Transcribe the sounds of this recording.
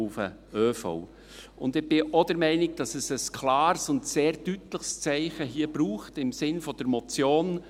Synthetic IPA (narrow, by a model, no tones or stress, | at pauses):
ʊfə̰ | øːfɔ̰ʊ | ʊ̰ndɪb̥ɪʔɔd̥əɾmɛɪnɪɡ̚d̥ɑsɛsəskʰlɑːɾsʊndseːɾdytləχst͡sɛɪχəɦiːəbɾuːχtɪmsɪnfɔd̥əɾmɔt͡sjoːn